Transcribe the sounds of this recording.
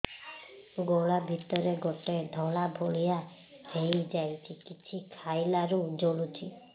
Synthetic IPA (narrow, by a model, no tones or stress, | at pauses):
ɡoɭabʱit̪ɔɾeɡoʈed̪ʱɔɭabʱoɭija | hejd͡ʒajt͡ʃʰikit͡ʃʰikʰajlaɾud͡ʒoɭut͡ʃʰi